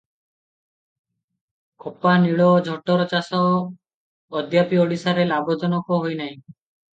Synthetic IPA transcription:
kʰɔpaniɭɔd͡ʒʱɔʈɔɾɔt͡ʃasɔː | d̪ʱjapiɔɽisaɾelaɡɔt͡ʃɔnɔkɔɦojnaɦĩ

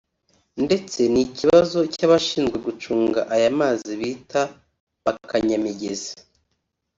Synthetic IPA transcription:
nde̞t͡se̞niciβazo̞caβaʃiːnzɡwe̞ɡut͡ʃuːŋɡa̰ʔajamaːziβiːta | βakaɲamiɟe̞zḁ

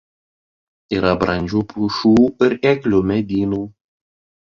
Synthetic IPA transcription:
iːɾɐbɾɐnʲd͡ʒʲuːpuʃuːɪɾeːklʲʊmʲɛd̪ʲiːnuː

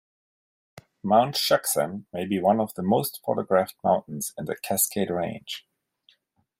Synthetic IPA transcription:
mãʊ̃ntʃʌksə̰̃nmeɪbiwʌ̃nʌvðəmoʊstfɔ̰ɾəɡɹæfmã̰ʊ̃nʔn̩z̥ɪ̃nðɨkʰæskʰeɪdɹẽɪ̃n̥ʒ̥

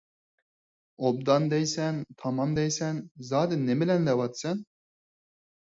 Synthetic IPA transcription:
ob̚d̪ɑnd̪ejsænt̪ʰɑmɑmd̪ejsænzɑːd̪ɪnːemɪlænd̪ɛbɑt̪sɛn

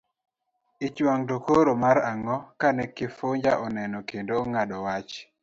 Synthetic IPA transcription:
ɪt͡ʃwaŋdokoɾomaɾaŋɔkanɛkɪfoɲd͡ʒaʔɔnɛnɔkendoːŋadɔwat͡ʃ

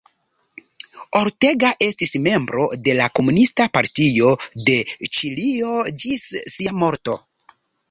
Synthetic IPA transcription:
o̞ɾte̞ɡaʔe̞stisme̞mbɾo̞̰de̞lako̞munistapaɾtio̞de̞t͡ʃilio̞d͡ʒisːiamo̞ɾto̞

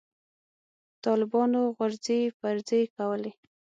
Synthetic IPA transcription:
t̪ɑlɪbɑnoɣʊɾzefaɾzekawəle

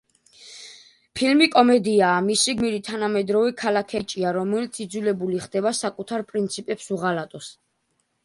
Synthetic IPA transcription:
pʰilmikʼɔmɛd̪iaːmisiɡmiɾit̪ʰanamɛd̪ɾɔvɛkʰalakʰɛt͡ʃʼiaɾɔmɛlit̪sʰid̪zulɛbuliχd̪ɛbasakʼut̪ʰaɾpʼɾint̪sʰipʼɛpsuʁalat̪ʼɔs

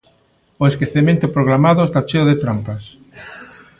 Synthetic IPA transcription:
oeskeθemẽnt̪opɾoɣɾamaðʊest̪at͡ʃeoðet̪ɾampas

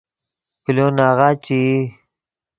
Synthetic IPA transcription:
kilonaɣat͡ɕi

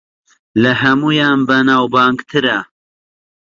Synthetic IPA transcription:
lɐɦɐmuːjaːnbɐnaːwbaːŋɡt̪ʰɨɾa

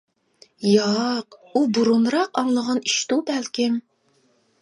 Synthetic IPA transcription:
jɑqubuɾunɾɑqɑŋlˠəʁɑni̥ʃt̪ubælkʲɪm

